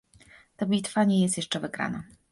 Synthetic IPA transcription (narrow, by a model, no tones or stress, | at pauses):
t̪abʲit̪faɲɛjɛst̪jɛʂt͡ʂɛvɘɡɾa̰na